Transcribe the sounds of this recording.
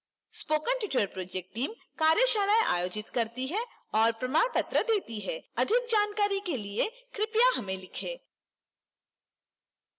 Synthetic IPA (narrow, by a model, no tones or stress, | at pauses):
spoːkə̃nʈjɪʈəɾpɾoːd͡ʒek̚ʈʈːiːm | kaːɾjəʃaːlajʔa̰ːjoːd͡ʒɪt̪kɐɾt̪iɦɛ | ɔːɾpɾɐmaːnpɐt̪ɾəd̪eːt̪iɦɛɐd̪ʱɪk̚d͡ʒaːnkaːɾikeliekɾɪpjaɦɐmẽlɪkʰẽː